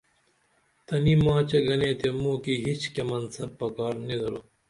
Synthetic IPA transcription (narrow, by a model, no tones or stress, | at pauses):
t̪ɐnimãːt͡ɕeɡɐnẽːt̪emũːkiɦit͡ɕkemɐnsɐb̚ːɐkaːɾnid̪ɐɾoː